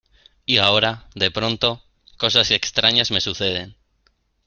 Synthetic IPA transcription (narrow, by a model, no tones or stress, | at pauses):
iao̞ɾaðe̞pɾõ̞nt̪o̞ | ko̞s̬ase̞kst̪ɾaɲazme̞suθe̞ð̞e̞n